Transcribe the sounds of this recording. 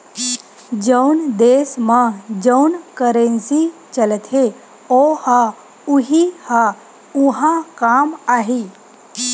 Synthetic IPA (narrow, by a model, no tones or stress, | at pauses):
d͡ʒəwnd̪eːsmãd͡ʒəʊnkəɾẽnsit͡ʃələt̪ɦe | oha | uɦiha | uɦãkaːmaːɦi